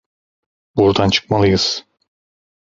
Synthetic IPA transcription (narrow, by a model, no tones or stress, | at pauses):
buɾd̪ant͡ʃʰɯ̥k̚malˠɯjɯz̥